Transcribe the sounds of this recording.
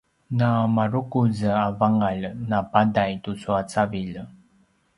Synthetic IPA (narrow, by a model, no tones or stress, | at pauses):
namaɾukuzəavaŋalnapadajtusuat͡saviʎ